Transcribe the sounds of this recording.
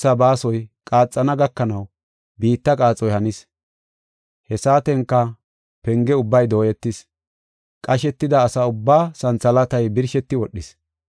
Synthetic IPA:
sɐbaːsɔjkʼaːt͡sʼːɐnɐɡɐkːɐnɐw | biːt̪ːɐkʼaːt͡sʼːɔjhɐnis | hɛsaːt̪ɛŋkːɐ | pɛŋɡɛʊbːɐjd̪o̞ːjɛt̪ːɪs | kʼɐʃɛt̪ːɪd̪ɐːsɐʊbːaːsɐnt͡sɐlɐt̪ɐjbɪɾʃɛt̪ːɪwɔɗːɪs

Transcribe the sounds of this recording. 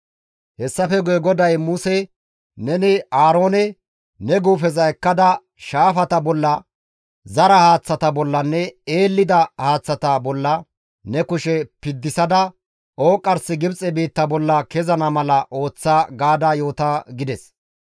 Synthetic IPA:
hɛsːɐfɛɡʊjɛɡɔd̪ɐjmʊsɛ | nɛnɪaːɾo̞ːnɛ | nɛɡuːfɛzɐjkːɐd̪ɐ | ʃaːfɐt̪ɐbɔlːɐ | zɐɾɐhaːt͡sːɐt̪ɐbɔlːɐnːɛeːlːɪd̪ɐhaːt͡sːɐt̪ɐbɔlːɐ | nɛkʊʃɛpɪd̪ːɪsɐd̪ɐ | oːkʼːɐɾsɪɡɪbt͡sʼɛbiːt̪ːɐbɔlːɐkɛzɐnɐmɐlɐʔo̞ːt͡sːaːɡaːd̪aːjo̞ːt̪ɐɡɪd̪ɛs

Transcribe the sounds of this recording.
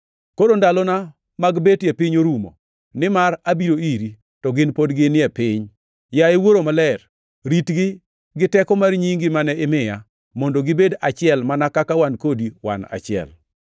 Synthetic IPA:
koɾondalɔna | maɡbetjepɪɲoɾumo̰ | nɪmaɾabiɾoiɾi | tɔɡɪnpodɡɪnɪɛpɪɲ | jaɪwoɾomalɛr | ɾitɡɪ | ɡɪtɛkɔmarɲiŋɡɪmanɛɪmɪja | mondoɡɪbedat͡ʃɪɛlmanakakawankodiwa̰na̰t͡ʃɪɛ̰l

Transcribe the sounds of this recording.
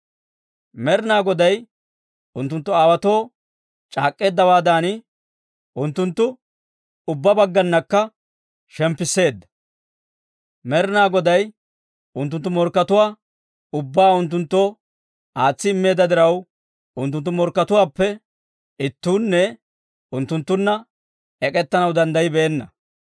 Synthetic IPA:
mɛɾɪnaːɡɔd̪ɐj | ʊnt̪ːʊnt̪ːʊaːwɐt̪o̞ː | t͡ʃʼaːkʼːe̞ːd̪ːɐwaːd̪aːnɪ | ʔʊnt̪ːʊnt̪ːʊ | ʊbːɐbɐɡːɐnːɐkːɐ | ʃɛmpːɪsːe̞ːd̪ːɐ̥ | mɛɾɪnaːɡɔd̪ɐj | ʊnt̪ːʊnt̪ːʊmɔɾkːɐt̪ʊwaː | ʊbːaːʊnt̪ːʊnt̪ːoː | aːt͡sːɪɪmːe̞ːd̪ːɐd̪ɪɾɐw | ʊnt̪ːʊnt̪ːʊmɔɾkːɐt̪ʊwaːpːɛ | ɪt̪ːuːnːɛ | ʊnt̪ːʊnt̪ːʊnːɐ | ɛkʼɛt̪ːɐnɐwd̪ɐnd̪ɐjɪbɛːnːɐ

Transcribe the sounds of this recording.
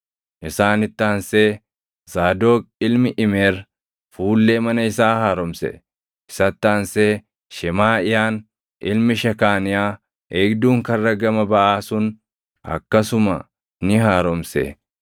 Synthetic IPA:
ʔɪsaːnɪt̪ːaːnseː | zaːd̪oːk̚ɪlmɪʔɪmeːɾ | fuːlːeːmɐnɐɪsaːhaːɾɔmsɛ̰ | ʔɪsɐt̪ːaːnseː | ʃɛmaːɪjaːn | ʔɪlmɪʃɐkaːnɪjaː | eːɡd̪uːŋkɐrːɐɡɐmɐbɐʔaːsʊn | ʔɐ̰kːɐsʊmɐ | nɪɦaːɾɔmsḛ

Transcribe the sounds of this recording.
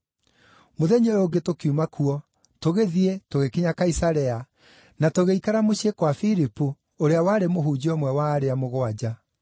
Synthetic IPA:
moðɛɲoɾoɡetokiumakʰuɔ | toɣeðietoɣekiɲakaisaɾɛa | natoɣeikaɾamoɕekwafiɾipu | oɾeawaːɾemoɦuːd͡ʑiɔmwɛwaːɾeamoɣwad͡ʑa

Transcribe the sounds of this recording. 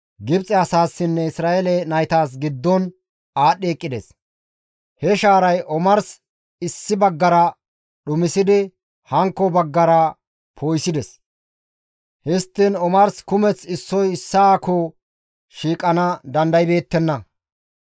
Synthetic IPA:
ɡɪbt͡sʼːɛɐsaːsːɪnːɛɪsɾaːʔelɛnɐjt̪aːs̬ɡɪd̪ːɔn | aːɗeːkʼːɪd̪ɛ̰s | hɛʃaːɾɐjʔɔmɐɾs | ɪsːɪbɐɡːɐɾɐ | ɗʊmɪsɪd̪ɪ | hɐŋkːɔbɐɡːɐɾɐ | pʰoːjsɪd̪ɛs | hɪst̪ːɪnɔmɐɾskʊmɛt͡sɪsːɔjɪsːɐaːko | ʃiːkʼːɐnɐd̪ɐnd̪ɐjbe̞ːt̪ːɛnːɐ

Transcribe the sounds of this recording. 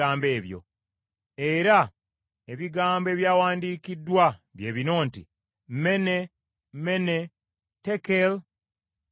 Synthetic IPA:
aːmbe̞ːβjo̞̰ | e̞ɾa | eβiɡaːmboe̞ːβjaːwaːndiːkidːwaβje̞ːβino̞ːntḭ | mme̞ne | mme̞ne̞ | tekel

